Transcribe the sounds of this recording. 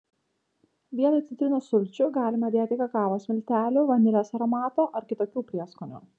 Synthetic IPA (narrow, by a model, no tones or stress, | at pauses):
ʋʲiɛt̪ɐɪt̪ʲɪt̪ʲɾʲɪnuːsʊlʲt͡ʃʲʊɡɑːlʲɪmɐd̪ʲeɛt̪ʲɪkɐkɑːʋosmʲɪlʲt̪ʲæːlʲʊːʋɐnd̪ʲɪlʲeːsɐɾɔmɑːt̪oːʔɐɾkʲɪt̪oːkʲuːpʲɾʲiɛskonʲṵːˑ